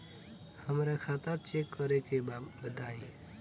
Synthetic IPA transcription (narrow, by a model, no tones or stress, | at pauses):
həmɾẽkʰaːt̪at͡ʃeːkːɔɾekebəd̪aːĩː